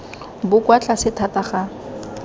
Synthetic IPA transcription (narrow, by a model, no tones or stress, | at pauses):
bʊkwat͡ɬʼasɪtʰataχa